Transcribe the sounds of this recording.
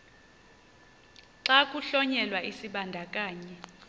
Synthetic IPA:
ǁakʼuɬɔɲɛlwaʔisiɓandʱakʼaːɲɛ

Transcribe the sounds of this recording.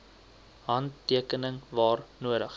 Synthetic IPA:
ɦɐniəkənəŋvɑːrnuəɾəχ

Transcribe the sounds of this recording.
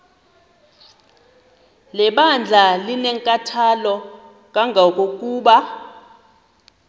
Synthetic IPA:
lɛɓand͡ɮʱalinɛŋkʼatʰalɔ | kʼaŋɡʱak̬ʼokʼuːɓa

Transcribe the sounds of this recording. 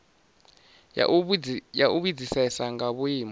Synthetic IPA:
jaʔuβid͡zisɛsaŋɡaβuiːmɔ

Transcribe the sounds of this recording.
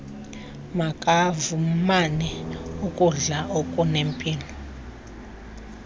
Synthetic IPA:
makʼavumanɛukʼuɮaokʼunempʼiːlɔ

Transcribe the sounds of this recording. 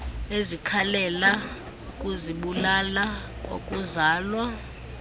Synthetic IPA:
ezikʰalɛla | ukʼuziɓulalak̬ʼo̰kʼuzaːlwa

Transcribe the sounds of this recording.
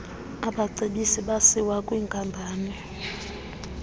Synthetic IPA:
aɓaǀeɓisiɓasiwakʼwiŋkʼambʱaːnɛ

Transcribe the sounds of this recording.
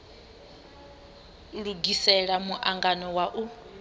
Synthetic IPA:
ɺuɡisɛɺamuʔaŋɡanɔwaʔu

